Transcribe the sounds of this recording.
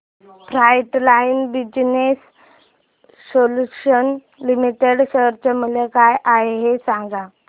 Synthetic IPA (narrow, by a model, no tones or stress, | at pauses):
fɾajʈlainbid͡ʑnes | oluɕən | limiʈeɽɕəɾt͡ɕemulekajʔaɦeɦesãŋɡa